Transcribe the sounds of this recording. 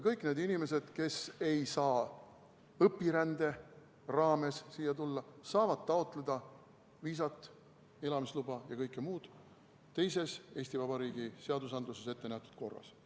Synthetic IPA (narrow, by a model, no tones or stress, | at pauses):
kɤjkˑne̞ːd̪inime̞se̞d̪̥ke̞se̞jsɑː | ɤpːiɾænd̪̥e̞ | rɑːme̞ssiːjːɑt̪ulːɑsɑːvɑd̪̥̚t̪ɑo̞t̪ˑle̞d̪̥ɑ | viːs̬ɑt̪ːˑ | e̞lɑmislub̥ɑjɑkɤjkːˑemuːd̪̥ | t̪e̞jse̞se̞ːsʲt̪ivɑb̥ɑɾiːɡ̥ise̞ɑd̪usɑnd̪luse̞se̞t̪ːe̞næht̪ːˑu̥d̪̥̚ko̞rːɑ̰s